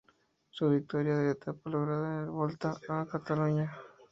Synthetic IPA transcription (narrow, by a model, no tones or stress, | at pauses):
soβik̚t̪oɾjaðeɾet̪ʰapoloɣɾaðalβolt̪aakat̪aluɲa